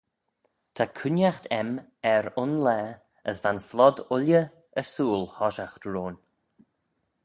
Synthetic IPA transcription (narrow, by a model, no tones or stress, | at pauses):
t̪ʰakʰʊnjaxt̪ʰɛm | ɛɾʊnlɛː | əsvanflɔd̪ʊljə | əɹsuːlˠhɔʃaxtɹoːn